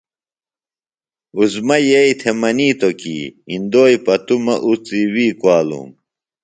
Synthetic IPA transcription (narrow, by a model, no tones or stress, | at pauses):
uzmɐjeit̪ʰemɐniːt̪okḭind̪oːjpɐt̪umɐʔut͡siwiːkwaːlṵm